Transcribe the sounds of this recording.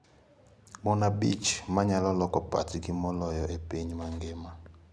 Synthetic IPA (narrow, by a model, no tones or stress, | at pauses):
mɔnabit͡ʃmaɲalɔlɔkɔpa̰tikimɔlɔjɔʔepeɲmaŋɡema